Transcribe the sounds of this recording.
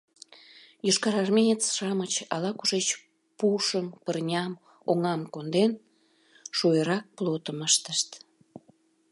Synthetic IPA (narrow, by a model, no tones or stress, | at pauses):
joʃkɑɾɑrmʲejət͡sʃɑmət͡ɕɑ̰lɑkuʒet͡ɕ | puʃəmpərnʲɑm | oŋɑmkond̪en | ʃujəɾɑk̚plot̪əməʃt̪əʃt̪